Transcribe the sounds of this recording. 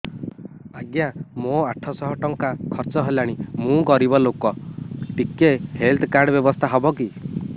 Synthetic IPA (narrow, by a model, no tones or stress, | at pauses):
aɡjamoaʈʰɔsɔɦɔʈɔŋkakʰɔɾt͡ʃɔɦelaɽ̃imũkɔɾibɔlokɔʈikehelt̪ʰkaɾɖɔbjɔbɔst̪ʰaɦɔbɔki